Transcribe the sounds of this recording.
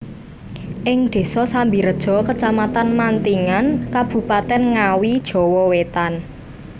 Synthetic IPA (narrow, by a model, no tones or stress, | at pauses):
ʔɪŋd̪̥e̤sɔsambiɾəd̥ʒ̥ɔ̤kət͡ʃamat̪anmant̪iŋankab̥ṳpat̪ɛnŋawid̥ʒ̥ɔ̤wɔwet̪an